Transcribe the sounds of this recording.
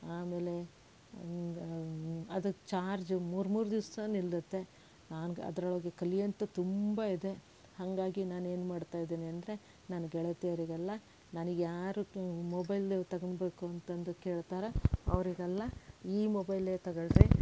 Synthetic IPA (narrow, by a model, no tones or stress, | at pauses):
aːme̞ːle̞ | ɐd̪ut͡ʃaːɾd͡ʒmuːɾmuːɾud̪iʋɐsɐnilːɐt̪ːe̞ | naːnɡɐ̰d̪ɐɾɐɭoːɡekɐlijɐnt̪ɐt̪umbɐid̪e̞ | hɐŋɡaːɡinaːne̞ːnumaːɽt̪aːjd̪eːniɐnd̪ɐɾe̞ | naːnɐɡɛɭet̪eɐʋɾiɡɐlːɐ | naniɡjaːɾumɔbɐjlt̪ɐɡɐnbe̞ːkuɐnt̪ɐnd̪ukeːɭt̪aːɾɐɐ̰ʋɐɾiɡɛlːɐiːmobɐjleːt̪ɐɡɐɭɾe